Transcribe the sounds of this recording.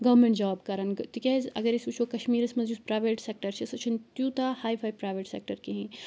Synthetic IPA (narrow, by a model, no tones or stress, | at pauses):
ɡɐʋmẽɳʈd͡ʒaːbkɐɾɐnt̪ikʲezɐ̰ɡɐɾisut͡ʃʰokɐʃmiːɾɐsmɐ̃nzuspɾaːʋeːʈseːk̚ʈɐɾt͡ʃʰesɐt͡ʃʰint̪jut̪ahaːipʰaːpɾaːjʋeːʈsḛːk̚ʈɐɾkeɦĩ